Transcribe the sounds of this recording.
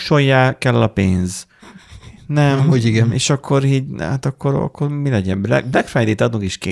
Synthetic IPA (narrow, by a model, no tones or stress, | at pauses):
ʃojːaːkɛlːɒpeːnz | nɛmhuːɟiɡɛnḛːʃɒkʰːoɾiːɟha̰t̪ɒkːoɾɒ̰kːormilɛɟɛmbɛ̰blɛkfɛjd̪iːt̪ɒt̪ukeʃke